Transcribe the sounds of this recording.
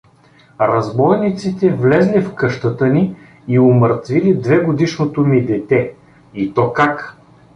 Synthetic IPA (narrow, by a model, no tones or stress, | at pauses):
ɾɐzbɔjnit̪sit̪ɛvlɛzlifkɤʃt̪ət̪əniː | oməɾt̪vilid̪vɛɡod̪iʃnot̪omid̪ɛt̪ɛ | it̪ɔkak